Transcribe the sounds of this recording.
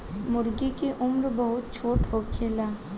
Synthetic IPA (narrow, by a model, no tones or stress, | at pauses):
mʊɾɡikeʔʊmɾbɐɦʊt̪̚t͡ʃʰoːʈɦokʰeːlaː